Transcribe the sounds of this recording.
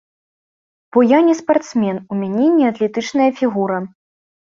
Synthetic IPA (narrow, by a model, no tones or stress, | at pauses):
b̥ɔjanʲɛspart̪smʲɛnumʲanʲɛnʲɛat̪lʲɛt̪ɨt͡ʂnɐjɐfʲiɣuɾɐ